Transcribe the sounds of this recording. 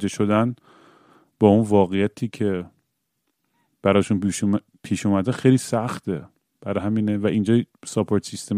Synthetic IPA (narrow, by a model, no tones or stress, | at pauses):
d̪eʃo̞d̪æn | b̥ɒːunvɒːɣejæt̪ʰiːcʰe | b̥æɾɒːʃun | pʰiːʃuːmæd̪æxejliːsæxt̪ʰe | b̥æɾɒɦæmiːnevæʔind͡ʒɒːsɒpʰoɾt̪sist̪em